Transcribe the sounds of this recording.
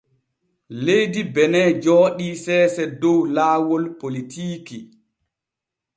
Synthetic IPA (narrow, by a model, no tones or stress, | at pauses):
lejdibɛnɛd͡ʒɔːɗisɛːsɛdɔwlaːwɔlpolitʰiːki